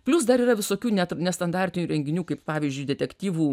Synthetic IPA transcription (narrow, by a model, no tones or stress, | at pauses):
pʲlʲʊsd̪ɐɾiːrɐʋʲɪsoːkʲuːnʲɛt̪nʲɛst̪ɐnd̪ɑːɾʲt̪ʲɪnʲuːɾʲɛŋʲɡʲɪnʲuːkɐɪppɑːʋʲizʲd͡ʒʲʊɪd̪ʲɛt̪ʲɛkt̪ʲiːʋuː